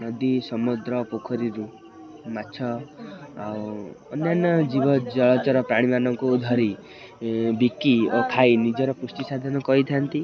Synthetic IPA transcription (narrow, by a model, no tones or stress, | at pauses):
nɔd̪isɔmud̪ɾɔpokʰɔɾiɾu | mat͡ʃʰɔ | a̰wɔnjanɔd͡ʒibɔd͡ʒɔɭɔt͡ʃɔɾɔpɾaɽ̃imanɔŋkuːd̪ʱɔɾi | bikiok̪ʰajnid͡ʒɔɾɔpusʈisad̪ʱɔnɔkɔɦit̪ʰant̪i